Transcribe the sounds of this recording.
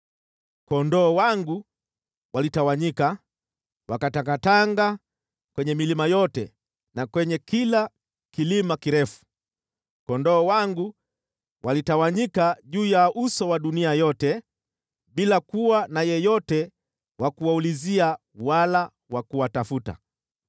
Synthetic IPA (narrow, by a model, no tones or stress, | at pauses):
kɔndɔːwaŋɡu | walitawaɲika | wakatakataŋɡa | kwɛɲɛmilimajɔtɛ | nakwɛɲɛkila | kilimakiɾɛfu̥ | kɔndɔːwaŋɡu | walitawaɲikaʄuːjaʔusɔwaɗuniajɔtɛ | ɓilakuwanajɛjɔtɛ | wʔakuwaulizia | wala | wakuwatafuta̰